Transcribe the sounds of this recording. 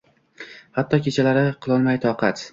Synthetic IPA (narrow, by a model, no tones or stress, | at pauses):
hat̪ʰːɒkʲe̞t͡ʃʰalaɾɪqʰɨlˠɒlˠmajt̪ʰɒqɑt̪